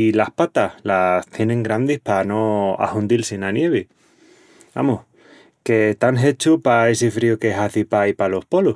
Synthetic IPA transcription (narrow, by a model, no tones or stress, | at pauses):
ilahpat̪ahlast̪je̞nẽ̞ŋɡɾand̪ihpano̞a̰hund̪ilsinanje̞β̞e | a̰muh | ket̪aŋɦe̞t͡ʃupae̞sifɾiukeeɦaθipaipalo̞hpolu